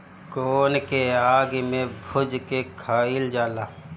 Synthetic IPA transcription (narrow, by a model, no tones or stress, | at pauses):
koːnkeaːɡmẽbʱʊd͡ʒkekʰaːild͡ʒaːlaː